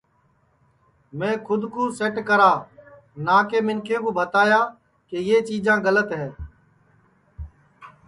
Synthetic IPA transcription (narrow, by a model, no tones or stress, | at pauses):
mẽːkʰʊd̪kuːseːʈkəɾaː | naːkeːmɪnkʰeːkʊːbət̪aːjaː | keːjeːt͡ʃiːd͡ʒãːɡələt̪ɦɛ̃ː